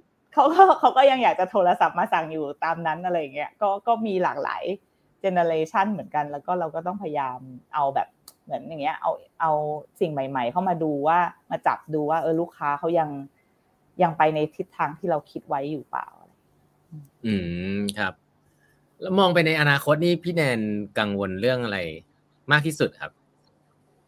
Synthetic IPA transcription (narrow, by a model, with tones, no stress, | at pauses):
kʰa˦˥wkɔː˥˩kʰa˦˥wkɔː˥˩ja˧ŋjaː˨˩k̚t͡ɕa˨˩t̪ʰoː˧la˧sa˨˩p̚maː˧sa˨˩ŋjuː˨˩t̪aː˧mna˦˥nʔa˧ɾa˧jːa˨˩ŋːi˦˥ɐkɔː˥˩kɔː˥˩miː˧laː˨˩k̚la̰ː˩˦j | t͡ɕe˧ne˧leː˧t͡ɕʰa˥˩nmɯ˩˦ənka˧nlɛː˦˥wkɔː˥˩ɾa˧wkɔː˥˩t̪ɔ˥˩ŋpʰa˧ja˧jaː˧mʔa˧wbɛ̰ː˨˩p̚mɯ˩˦ənja˨˩ŋːi˦˥ɐʔa̰˧wʔʔa˧wsi˨˩ŋma˨˩jma˨˩jkʰa˥˩wmaː˧duː˧waː˥˩maː˧t͡ɕa̰˨˩p̚duː˧waː˥˩ʔɤː˧luː˥˩kʰːaː˦˥kʰa˦˥wja˧ŋ | ja˧ŋpa˧jna˧jt̪ʰi˦˥t̪ʰːaː˧ŋt̪ʰiː˥˩ɾa˧wkʰi˦˥t̪̚wa˦˥jːuː˨˩pa̰ː˨˩wʔa˧la˧j | ʔɯː˧ʔɯː˧˩kʰa˦˥p̚ | lɛ˦˥wmɔː˧ŋpa˧jna˧jʔa˧naː˧kʰo˦˥t̪̚niː˥˩pʰiː˦˥˩nɛː˧nka˧ŋwo˧nɾɯ˥˩əŋʔa˧ɾa˧j | maː˥˩k̪̚ʰiː˥˩su˨˩kʰa̰˦˥p̚